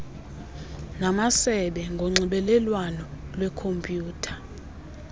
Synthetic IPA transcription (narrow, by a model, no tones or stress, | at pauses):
namasɛɓɛŋɡʱoŋ͡ǀiɓɛlɛlwanɔlwɛkʰompʼjuːtʰḁ